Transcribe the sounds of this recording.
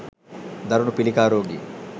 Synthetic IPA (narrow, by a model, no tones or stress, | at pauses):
d̪ɐɾunupilikaːɾoːɡḭ